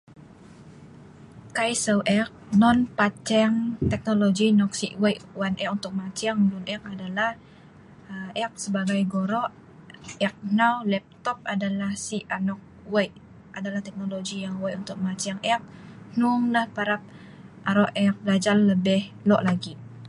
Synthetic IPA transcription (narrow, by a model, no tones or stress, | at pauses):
kajsəwʔɛk̚nɔnpat͡ʃɛŋt̪ɛk̚noloɡinɔksiʔwejʔwanʔɛkunt̪ʊk̚mat͡ʃaŋdunʔɛk̚adalah | ɛk̚səbaɡajɡoɾɔʔ | ɛk̚nawlɛp̚t̪ɔp̚adalahsianɔk̚ | wajʔ | ʔadalaht̪ɛk̚noloɡijaŋwaunt̪ʊk̚mat͡ʃaŋɛk̚nuŋlahpaɾap̚ | aɾɔʔɛk̚bəlad͡ʒarːəbɪhlɔʔlaɡi